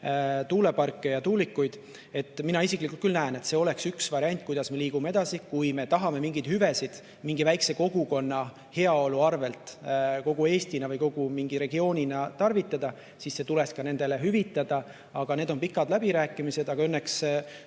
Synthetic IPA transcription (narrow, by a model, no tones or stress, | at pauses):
t̪uːle̞pɑrkːe̞jɑt̪uːlikːujd̪̥ | e̞t̪ːˑminɑisiklikːˑult̪kylnæene̞t̪se̞o̞le̞ksyksvɑɾiɑnʲt̪̚ˑkujd̪̥ɑsme̞liːɡ̥umeed̪ɑsikujme̞t̪ɑɦɑme̞miŋɡid̪̥hyve̞sid̪̥ | miŋɡivæjkse̞ko̞ɡ̥uko̞nːɑ | he̞ɑo̞luɑrve̞lt̪ˑko̞ɡ̥ue̞ːst̪inɑvɯjko̞ɡ̥umiŋɡiɾe̞ɡio̞ːnʲinɑt̪ɑrvit̪ːˑɑd̪̥ɑ | sisse̞t̪ule̞skɑne̞nd̪e̞le̞ɦyvit̪ːˑɑd̪ɑ | ɑɡ̥ɑne̞ːd̪o̞npikːˑɑd̪læbiɾæːkːˑimise̞d̪ɑɡ̥ɑø̞nːe̞ks